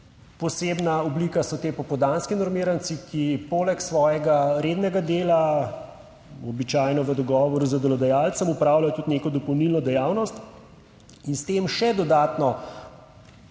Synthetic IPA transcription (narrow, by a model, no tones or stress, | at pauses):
pɔseːbnaɔblikasɔt̪eːpɔpɔd̪anskinɔɾmiːɾant̪sikipoːlɛksʋɔːjɛɡaɾeːd̪nɛɡad̪eːla | ɔbit͡ʃaːjnɔʋəd̪ɔɡɔːʋɔɾuzɐd̪ɛlɔd̪ɛjaːlt̪səmupɾaːwlajɔt̪ut̪neːkɔd̪ɔpɔwnilnɔd̪ɛjawnɔst̪ | inst̪emʃɛd̪ɔd̪aːt̪nɔ